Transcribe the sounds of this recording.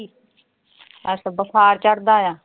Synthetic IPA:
i | əsəbəsʰaːɾt͡ʃəɽd̪aːjaː

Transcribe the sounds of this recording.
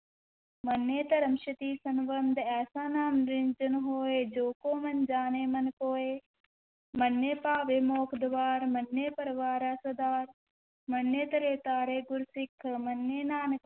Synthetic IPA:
mɐnːeːt̪ɐɾɐmʃɐt̪iːsɐnʋənd̪ʱɛːsaːnaːnɾɪnd͡ʒɐnɦoːeːd͡ʒoːkoːmɐnd͡ʒaːneːmɐnkoːeː | mɐnːeːpaːʋeːmoːkʰd̪ʋaːɾmɐnːeːpɐɾʋaːɾaːswɐd̪aːɾ | mɐnːeːt̪ɐɾeːt̪aːɾeːɡʊɾsɪkʰːmɐnːeːnaːnk

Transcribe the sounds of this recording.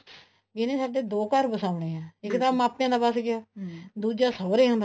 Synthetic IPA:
ɡɪnẽːsaːɖeːd̪oːkəɾbəsaːʊɳeːɛ̃ːɪkt̪aːmaːpnẽãːd̪aːbasɡɪjaːd̪uːd͡ʒaːsəːɾeːɦʊ̃nd̪a

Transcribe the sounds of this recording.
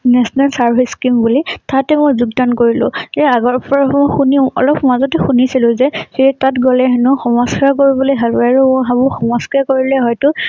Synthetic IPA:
nɛsɔnalsaɹbʱiskimbulitʰatɛmojzuɡdankoɹilʊ̰̃ɛaɡɔɹpɔɹamɔjxuniɔ̰lɔpʰmazɔtɛxunisilʊ̃zɛsiɹɛtatɡɔlɛɦɛnʊxɔmɔskakoɹibɔlojɦɛlwaɹuɦabʊxɔmɔskakoɹilɛɦɔjtʊ

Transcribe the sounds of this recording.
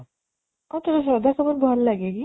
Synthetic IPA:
ɔt̪oɾaʃ̬ɔd̪ʱakʰɔboɾbʱɔllaɡeki

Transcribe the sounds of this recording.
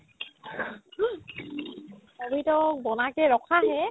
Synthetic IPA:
abitɔk̚bɔnakɛɹɔkʰaɦɛ

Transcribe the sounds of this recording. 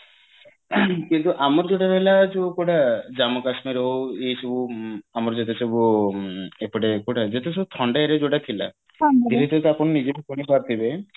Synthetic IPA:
kint̪uʔamɔɾd͡ʒoʈaɾɔɦelad͡ʒokoʈad͡ʒamokasmiɾɔɦoet͡ʃʰobuamɔɾd͡ʒet̪̬et͡ʃʰɔbu | epɔɽekoʈad͡ʒet̪et͡ʃʰobut̪ʰɔɳɖaeɾed͡ʒoɽat̪ʰila̰ | aiɾet̪et̪apɔnnid͡ʒelekonipaɾt̪ʰibe

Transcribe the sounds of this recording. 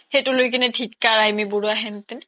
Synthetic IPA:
hetʊlojkinɛtʰikːaɹajmiboɹuaɦɛnt̪in

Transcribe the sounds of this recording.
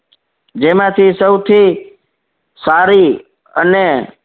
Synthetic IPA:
d͡ʒemãt̪ʰisəʊt̪ʰi | saːɾi | ə̰ne

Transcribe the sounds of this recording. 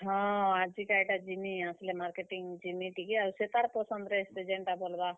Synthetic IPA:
ɦɔ̃ad͡ʒikaiʈad͡ʒiniaslemaɾkeʈiŋd͡ʒimiʈikiaɾuset̪aɾpɔsɔnd̪ɾest̪ed͡ʒeɳʈabolba

